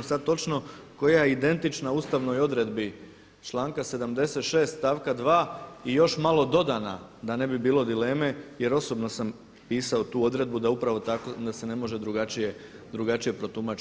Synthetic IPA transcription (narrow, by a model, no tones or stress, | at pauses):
sad̪̚t̪o̞t͡ʃno̞ko̞jajeid̪e̞nt̪it͡ʃnauːst̪aʋno̞jo̞d̪ɾe̞d̪bi | t͡ʃlˠaːŋkase̞d̪amd̪e̞se̞t̪ʃe̞ːst̪t̪aːʋkad̪ʋaːijo̞ʃmalˠo̞d̪o̞d̪ana | d̪ane̞bibiːlˠo̞d̪ile̞ːme̞je̞ɾo̞so̞bno̞sam | piːsaot̪uːo̞d̪ɾe̞d̪̚bud̪aupɾaʋo̞t̪akod̪ase̞ne̞mo̞ʒe̞d̪ɾuɡat͡ʃije̞ | d̪ɾuɡat͡ʃije̞pɾo̞t̪umat͡ʃ